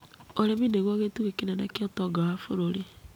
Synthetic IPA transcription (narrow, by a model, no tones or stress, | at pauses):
oɾemineɣwaɣetuɣekinanakiɔtɔɡawafoɾoɾe